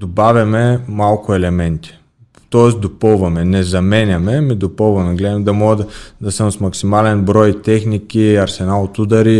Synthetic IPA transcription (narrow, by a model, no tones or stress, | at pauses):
d̪obavʲɐmɛmalˠkʊɛlɛmɛnt̪i̥ | t̪ɔɛsd̪opəlˠvɐmɛnɛzɐmɛnʲɐmɛmid̪opəlˠvɐmɛɡlɛd̪mɛd̪ɐmɔɡəd̪d̪ɐsəmsmɐksimalɛnbɾɔjt̪ɛxnikiɐɾsɛnalˠot̪ud̪ɐɾi